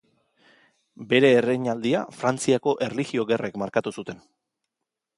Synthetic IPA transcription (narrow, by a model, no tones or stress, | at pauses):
be̞ɾe̞ːreɲald̪iafɾant͡siako̞ʔe̞rliɣio̞ɣe̞rekmaɾkat̪usut̪e̞n